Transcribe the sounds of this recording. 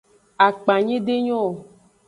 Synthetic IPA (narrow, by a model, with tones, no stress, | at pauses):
a˨k͡pa˨ɲẽ˦ɖe˦ɲɔ̃˦˨